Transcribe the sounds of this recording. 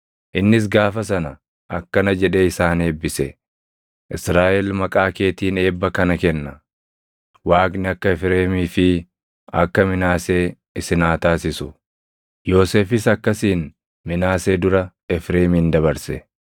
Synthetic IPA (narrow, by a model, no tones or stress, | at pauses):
ʔɪnːɪs̬ɡaːfɐs̬ɐnɐ | ʔɐkːɐnɐd͡ʒɛᶑeːɪsaːne̞ːbːɪsɛ | ʔɪsɾaːʔɛlmɐkʼaːke̞ːt̪iːne̞ːbːɐkɐnɐkɛnːɐ | waːknɪɐkːɐɛfɾeːmiːfɪ | ɐ̰kːɐmɪnaːseː | ɪsɪnaːt̪aːsɪsʊ | jo̞ːse̞ːfɪsɐkːɐsiːn | mɪnaːseːd̪ʊɾɐ | ɛfɾe̞ːmiːnd̪ɐβɐɾsɛ